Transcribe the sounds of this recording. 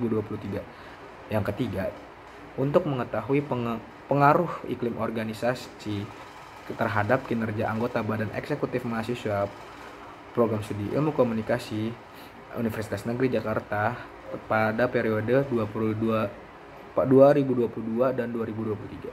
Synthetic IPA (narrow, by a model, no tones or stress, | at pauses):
buduapuluht̪iɡa | jaŋkət̪iɡa | unt̪ʊk̚məŋət̪aɦuipə | pəŋaɾʊhḭklɪmʔorɡanisas | i | t̪ərɦadap̚kinərɡiaʔaŋɡot̪abadanʔɛ̰ksekut̪ɪfmasisua | pːɾoɡɾamsədiʔḭlmukomunikasi | ṵnifərsi̥t̪asnəɡɾid͡ʒakart̪a | padapeɾiodəduapuluda | pduaɾibuduapuluduadanduaɾibuduapulut̪iɡa